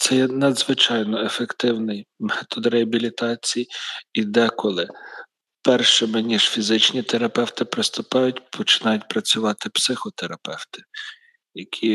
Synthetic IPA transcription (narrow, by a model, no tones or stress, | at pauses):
t̪sɛjɛnɐd̪zʋɪt͡ʃɑjnɔefekt̪ɪwnɪjmɛt̪ɔd̪ɾeɐbʲilʲit̪ɑt͡sʲijid̪ɛkɔlˠɪ | pɛrʃɛmɪnʲiʒ̥fʲizɪt͡ʃnʲit̪eɾɐpɛwt̪ɪpɾɪst̪ʊpɑjʊtʲpʰɔt͡ʃɪ̥nɑjʊtʲpɾɐt͡sʲʊʋɑt̪ɪpsɪxɔt̪eɾɐpɛwt̪ɪ̥ | jɐkʲʰi